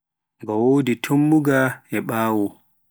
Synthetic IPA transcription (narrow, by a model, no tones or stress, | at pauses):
ɡɔwoːditʰomːuɡaɛɓaːwu